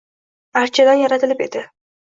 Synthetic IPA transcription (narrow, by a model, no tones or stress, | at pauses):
aɾt͡ʃʰɪlaɾjaɾat̪ɪlɪpe̞d̪ɪ